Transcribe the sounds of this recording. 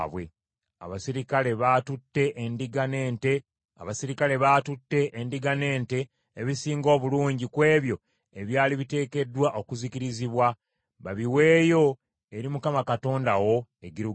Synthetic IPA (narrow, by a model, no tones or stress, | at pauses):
βwe̞̰ | a̰βasiɾikale̞βatutːe̞ʔendiɡane̞ːnte̞ | a̰βasiɾikale̞βaːtutːe̞ʔendiɡane̞ːnte̞ː | βisiːŋɡo̞ːβuluːɲɟikwe̞ːβjo̞ | eβjaːliβite̞ːke̞dwaʔo̞kuziciɾiziβwa | βaβiwe̞ːjo̞ | e̞ɾimukamakato̞ːndawo̞eɡiɾu